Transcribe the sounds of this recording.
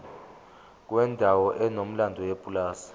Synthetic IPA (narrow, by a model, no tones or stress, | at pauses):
k̬wɛndʱawɔʔɛnom̩landʱɔwepʼulaːsḁ